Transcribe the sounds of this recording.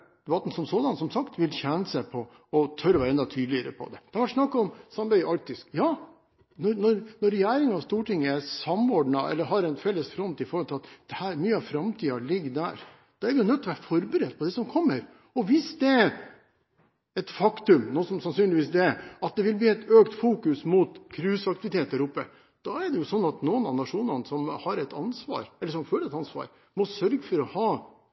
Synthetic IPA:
d̪ʋɑt̪n̩sɔmsoːd̪ɑnsɔmsɑkt̪ʋɪlçɛnəsæpʰɔ | ɔt̪ʰœɾɔʋæɾɛnd̪ɑt̪ʰyːd̪lɪəɾə̰pʰɔ̰d̪ɛd̪̥ɛhɑɾʋɑʈʂnɑkːɑɔmsɑmbæɪɑɾk̚t̪ɪskjɑː | nɔɾnɔɾnɔɾːɛjæːɾɪŋɑʋst̪uːʈɪŋːəæsɑmoːɖɳɑʔɛ̰lːəɾɦɑɾɛnfɛlːəsfɾɔnt̪ɪfɔɾhɔlt̪ɪlɑt̪d̪̥ɛhæːɾmyːəɑʋfɾɑmt̪ʰiːɑɭɪɡːd̪æ̰ːɾ | d̪̥ɑːæɾʋɪjʊnœt̪ːɔʋæːɾfɔɾbəɾɛd̪̚pʰɔd̪ɛsɔmkʰɔmːəɾ | ɔʋɪsd̪ɛæɾ | ɛt̪fɑkt̪ʉmnuːsɔmsɑnsyːnlɪʋiːsd̪ɛæɑt̪̚d̪ɛʋɪlb̪iːɛt̪øːkt̪fuːkʉsmuːt̪kʰɾʉːsɑk̚t̪ɪʋɪt̪ʰeːt̪̚ːæɾʊpːə | d̪̥ɑɛɖɛjʊsɔnːɑt̪nuːənɑʋnɑʂuːnɑnəsɔmhɑɾɛt̪ɑnsʋɑ̰ːɾɛlːəʂɔmføːləɾɛt̪ɑnsʋɑ̰ːɾ | mɔsœɾɡəfɔɾɔhɑː

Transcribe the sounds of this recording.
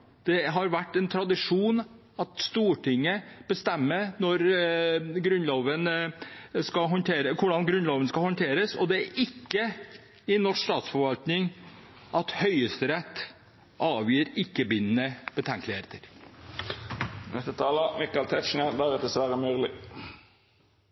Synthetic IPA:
d̪̥ɛɦɑɾʋæʈːɛnt̪ʰɾɑd̪ɪʂuːn | ɑt̪st̪uːʈʰɪŋːəb̥əst̪ɛmːənɔɾ | ɡɾʉnloːʋən | skɑɦɔnt̪ʰeːɾəkʰʊɖɑnɡɾʉnloːʋənskɑlhɔnt̪ʰeːɾəsɔ̰d̪ɛæɾʔɪkːə | ɪnɔʂst̪ɑːt̪sfɔɾʋɑlt̪nɪŋ | ʔɑt̪hœʏəst̪əɾɛt̪ː | ʔɑːʋjiːɾɪkːəbɪnənəb̥ət̪ʰɛŋklɪheːt̪əɾ | nɛst̪ət̪ʰɑːləmɪkɑlt̪ʰɛt̪ʃɳəd̪æɾɛt̪d̪əsʋæɾəmyːʁlɪ

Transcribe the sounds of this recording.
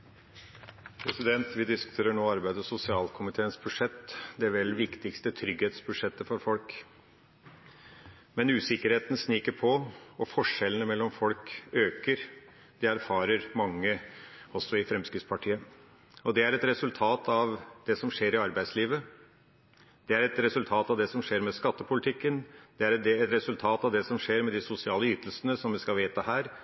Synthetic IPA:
pʰɾɛsɪd̪ɛnt̪ʋɪd̪ɪskʉ̥t̪ʰeːɾəɳoːɑɾbæɪd̪əɔsʊsɪɑːlkʰʊmɪt̪ʰeːənsbʉʂɛt̪ːd̪ɛʋɛlʋɪkt̪ɪkst̪ət̪ʰɾʏɡheːt̪sbʉʂɛt̪ːəfɔɾfɔlk | mɛnʉːsɪkəɾheːt̪n̩sniːkəɾpʰɔɔfɔʂɛlːənəmɛlːɔmfɔlkøːkəɾ | d̪̥ɛæɾfɑːɾəɾmɑŋːəɔsːɔɪfɾɛmskɾɪft̪spʰɑʈʰiːə | ɔd̪ɛæɾɛt̪ɾɛsʉlt̪ʰɑːt̪ʰɑʋd̪̥ɛsɔmʂeːɾɪɑɾbæɪd̪sliːʋə | d̪̥ɛæɾɛt̪ɾɛsʉlt̪ʰɑːt̪ɑʋd̪ɛsɔmʂeːɾmɛskɑt̪ːəpʰʊlɪt̪ʰɪkːənd̪̥ɛæɾd̪ɛɛt̪ɾɛsʉlt̪ʰɑːt̪ɑʋd̪ɛsɔmʂeːɾmɛd̪ɪsʊsɪɑːləyːt̪əlsənəsɔmʋɪskɑʋeːt̪əhæːɾ

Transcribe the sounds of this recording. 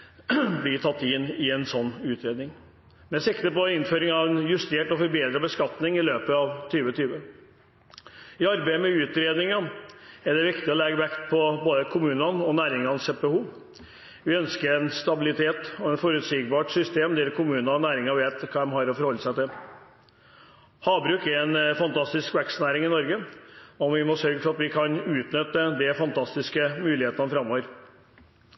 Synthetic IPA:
blɪt̪ʰɑt̪ːɪnɪɛnsɔnːʉːt̪ʰɾeːd̪nɪŋ | mɛsɪkt̪əpɔɪnføːɾɪŋɑʋɛnjʉst̪eːʈɔfɔɾbeːd̪ɾəbəskɑt̪nɪŋɪløːpəɑʋt̪ʰyːʋət̪ʰyːʋə | ɪɑɾbæɪəmɛʉːt̪ɾeːd̪nɪŋɑɛɖɛʋɪkt̪ɪɔlɛɡːəʋɛkt̪pʰɔboːd̪əkʰʊmʉːnɑnɔnæːɾɪŋɑnsɛbɛhuːʋ | ʋɪœnskəɾɛnst̪ɑbɪlɪt̪ʰeːt̪ɔɛnfɔɾʉt̪siːɡbɑːʈsʏst̪eːmd̪ɛɾkʰʊmʉːnɑnæːɾɪŋɑʋeːt̪kʰɑːd̪ɛmhɑɾɔfɔɾhɔlːəsæɪt̪ɪl | hɑːbɾʉːkɛɾɛnfɑnt̪ʰɑst̪ɪskʋɛksnæːɾɪŋɪnɔɾɡəɔʋɪmɔsœɾɡəfɔɾɑt̪ʋɪkʰɑnʉːt̪nʏt̪ːəd̪ɛfɑnt̪ʰɑst̪ɪskəmʉːlɪheːt̪ənəfɾɑmːɔʋəɾ

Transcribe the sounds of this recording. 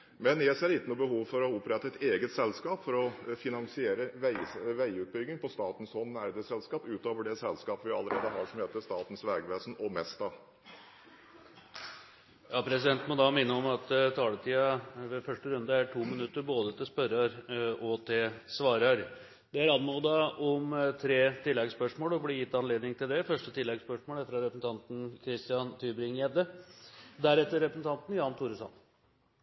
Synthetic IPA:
mɛnjæseːɾɪk̪ːənuːbəhuːʋfɔɾɔʊpɾɛt̪ːəɛt̪eːɡət̪sɛlskɑːpfɔɾɔfɪnɑŋsɪeːɾəʋæɪʋæɪʉːt̪̚bʏɡnɪŋpʰɔst̪ɑːt̪n̩sɔnːæɾd̪əsɛlskɑːpʉːt̪oːʋəɖɛsɛlskɑːpəʋɪɑ̰lːəɾeːd̪əɦɑːʂɔmheːt̪əʂt̪ɑːt̪n̩sʋɛːɡʋeːsn̩ɔmɛst̪ɑ | jɑːpʰɾɛsɪd̪ɛnt̪mɔd̪ɑːmɪnːəɔmɑt̪t̪ʰɑːlət̪ʰiːɑʋɛfœʂʈəɾʉnd̪ɑæʈʰuːmɪnʉt̪ːəɾboːd̪ət̪ʰɪlspœɾɑɾɔt̪ʰɪlsʋɑːɾɑɾ | d̪̥ɛæɾɑnmuːd̪ɑʔɔmt̪ʰɾeːt̪ʰɪlːɛɡspœʂmoːlɔbliːjɪt̪ːɑnleːd̪nɪŋt̪ʰɪld̪ɛfœʂʈət̪ʰɪlːɛɡspœʂmoːlæfɾɑɾɛpəsn̩t̪ʰɑnt̪n̩kʰɾɪst̪ɪɑnt̪ʰyːbɾɪŋɛd̪ə | d̪æɾɛt̪ːəɾɛpɾəsn̩t̪ʰɑnt̪n̩jɑːnt̪ʰuːɾəsɑ̰n

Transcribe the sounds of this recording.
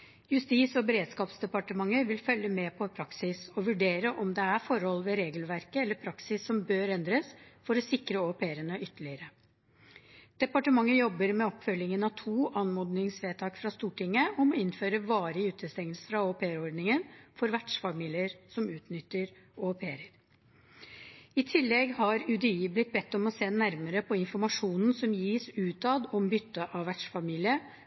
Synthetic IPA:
jʉst̪iːsɔbɛɾeːd̪skɑːpsd̪ɛpɑʈəmɑŋːəɾʋɪlfœlːəmɛːpʰɔpʰɾɑksɪsɔʋʉɖeːɾəʔɔmd̪ɛæɾfɔɾhɔlʋɛɾeːɡəlʋæɾkəɛlːəɾpʰɾɑksɪsːɔmbøːɾɛnd̪ɾəsfɔɾɔsɪkɾəopʰeːɾənəʔʏt̪ːəɭɪəɾə | d̪̥ɛpɑʈəmɑŋːəjɔbːəɾmɛɔpfœlːɪŋənɑt̪ʰuːʔɑnmɔːd̪nɪŋsʋeːt̪ʰɑːkfɾɑst̪uːʈɪŋːəɔmɔɪnføːɾəʋɑːɾɪʉːt̪əst̪ɛŋəlsə̥fɾɑoːpʰeːəɾɔɖnɪŋənfɔɾʋæʈʂfɑmiːlɪəɾsɔmʉːt̪nʏt̪ːəɾ | ɔpʰeːɾəɾ | ɪt̪ʰɪlːɛɡhɑɾʉd̪ɛiːblɪt̪̚ːbɛt̪ːɔmɔseːnæɾməɾəpʰɔɪnfɔɾmɑʂuːnn̩sɔmjiːsʉːt̪ɑd̪ɔmbʏt̪ːəʔɑʋæʈʂfɑmiːlɪə

